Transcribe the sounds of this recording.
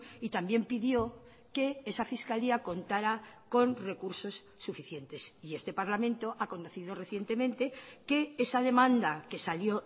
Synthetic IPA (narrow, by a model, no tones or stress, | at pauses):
it̪ambje̞mpiðjo̞ | ke̞esafiskaliako̞nt̪aɾako̞nre̞kuɾso̞sːufiθje̞nt̪e̞sie̞st̪epaɾlamẽ̞nt̪o̞ʔako̞noθið̞o̞re̞θje̞nt̪e̞mẽ̞nt̪e̞ke̞esaðe̞mãnd̪ake̞saljo̞